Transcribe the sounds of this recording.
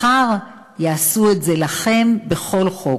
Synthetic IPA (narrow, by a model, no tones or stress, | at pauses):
aʁ | jaasuetzelaχe̞mbe̞χo̞lχo̞